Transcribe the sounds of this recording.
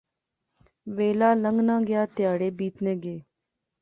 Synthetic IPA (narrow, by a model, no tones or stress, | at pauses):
ʋeːlaːləŋɡnãːɡɪjaːt̪ɪjaːɽeːbiːt̪neːɡeː